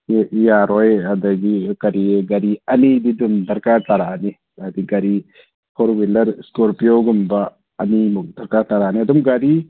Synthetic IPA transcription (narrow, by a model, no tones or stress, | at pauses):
jaːɾojɐd̪ɐɡikɐɾieɡɐɾiɐnid̪id̪umd̪ɐɾkat̪ɐɾaːni | ad̪iɡɐɾi | pʰoɾwilɐɾskoɾpijoɡumbaː | nimuk̚d̪ɐɾkat̪ɐɾaːnid̪umɡɐɾi